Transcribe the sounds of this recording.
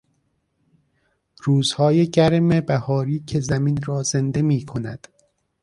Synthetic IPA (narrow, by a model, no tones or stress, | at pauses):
ɾuːz̥hɒːjeɟæɾmebæhɒːɾiːcʰezæminɾɒːze̞nd̪e̞miːkʰo̞næd̪̥